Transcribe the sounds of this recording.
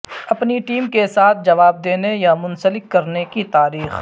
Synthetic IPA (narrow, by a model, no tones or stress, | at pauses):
ɐpniʈiːmkesaːt̪ʰd͡ʒɐʋaːb̚d̪eːnejamʊ̃nsəlɪkːɐɾnekit̪aːɾiːx